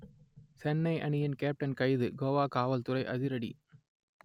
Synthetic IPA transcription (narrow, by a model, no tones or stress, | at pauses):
t͡ʃɛnːɐɪʔɐnɪjɪnkeːp̚ʈɐnkɐɪðɯɡoːʋaːkaːʋɐlt̪ʊɾɐɪʔɐ̰ðɪɾɐɽḭ